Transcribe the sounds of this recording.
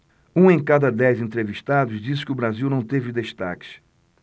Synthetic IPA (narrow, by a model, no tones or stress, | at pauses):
ũẽj̃kad̪ɐd̪ɛjzẽnt̪ɾeviʃt̪ad̪ʊzd͡ʒis̬ɪ̥kɪʊbɾaziwnɐ̃w̃t̪evɪd̪eʃt̪a̰kɪ̥ʃ